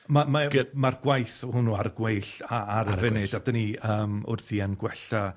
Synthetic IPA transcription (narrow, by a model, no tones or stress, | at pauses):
mamamarɡ̥wajθhʊnuarɡwejɬaːɾəvɛnɪdadəniəːmʊ̰rθianɡwɛɬa